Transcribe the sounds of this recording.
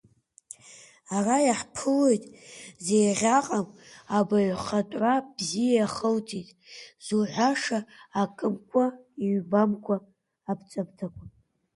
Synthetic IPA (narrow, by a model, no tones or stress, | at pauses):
arajaħpʰɨle̞jtʼzejʁʲaqʼamabaɥχatʼʕʷabzijaaχəltʰʼitʼz̥uʕʷaʂaːkʼɨmkʷʰʼaiɥbamkʷʰʼaː | bt͡sʼabtʰakʷʼʰa